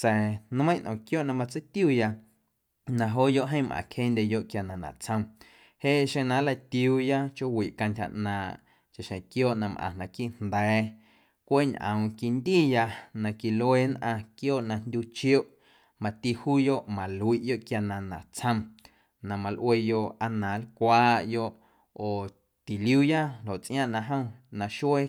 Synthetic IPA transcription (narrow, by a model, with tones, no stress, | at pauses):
t͡sɛ˨n˦ə̃˦j̃nʔɔ̰̃˨kjo˦ʔnã˧mã˧t͡sə˦t̪juː˦˨ja˧ | nã˧ɦoː˦jo˦ʔɦə̃˦˨mʔã̰˨khe˦nd̪ʲe˧jo˧˨ʔkja˨nã˨nã̰˨t͡sʰə̃˧m | he˦ʃẽ˧nã˧˦la˧t̪iuː˧ja˦t͡ʃo˦wi˨ʔkã˧ntʲha̰˨ʔnãː˨ʔ | t͡ʃa˨ʃẽ˨kjoː˦ʔnã˧mʔã̰˨nã˨ki˦ʔnd̪ɛː˨˦ | kʷe˦ɲʔə̰̃˨w̃ki˧nd̪iː˦˨ja˧nã˧ki˧le˦nʔã˧kjoː˦ʔnã˧nd̪ʲuː˧t͡ʃjo˦ʔ | mã˨t̪i˧huː˦jo˦ʔmã˨lu˨i˧˨ʔjo˦ʔkja˧nã˧nã̰˨t͡sʰə̃˧m | nã˨mã˧lʔwe˧jo˧ʔa˧nãː˨˦lkʷaː˦ʔjo˧ʔ | oː˨ | t̪i˨ljuː˦ja˦lo˨ʔt͡sʔj̃ã˦˨ʔnã˧ɦə̃˦w̃nã˧ʃe˦